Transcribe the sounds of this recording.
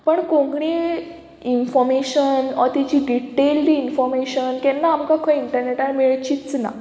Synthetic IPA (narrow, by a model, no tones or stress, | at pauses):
pəɳkõŋɡɽi | infɔɾmeɕənat̪it͡ɕiɖiʈeld̪iinfɔɾmeɕənkɛ̃nːaːmkakʰɔ̃iɳʈəɾneʈaɾmeɭt͡ɕit͡sna̰